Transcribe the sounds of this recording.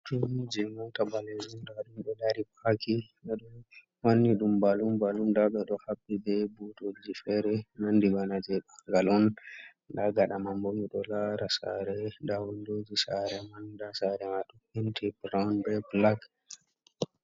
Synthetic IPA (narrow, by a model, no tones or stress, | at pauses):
tud͡ʒɛmɔtabaled͡ʒumdaɗumɗɔdaɾipakiɗaɗɔ | wanːiɗumbalumbalumdaɓɛɗɔhabːid͡ʒɛbutod͡ʒifɛɾɛnandibanad͡ʒɛɓaŋɡalɔn | ɗaɡaɗamambomiɗɔlaɾasa̰ɾɛdawundod͡ʒisaɾɛmandasaɾɛmaɗumhintibɾawnbɛblaɡ